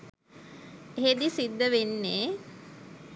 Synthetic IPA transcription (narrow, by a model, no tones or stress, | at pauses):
eɦed̪isid̪ːəʋenːeː